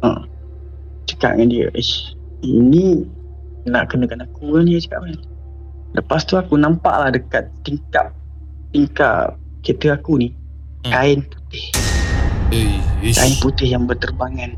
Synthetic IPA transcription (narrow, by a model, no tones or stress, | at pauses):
ə̰ | t͡ʃə̥ka̰ʔ̚ŋandiə̰ʔə | ini | naʔkənəkanakuadiət͡ʃə̥ka̰ʔan | lʔəpast̪uakunampa̰ʔlahdəkat̪ːiŋka̰p̚ | t̪iŋka̰ʔ | ket̪əakuni | kaɪnpu̥t̪ɪh | ka̰ɪnput̪ɪhjaŋbərt̪ərbaŋan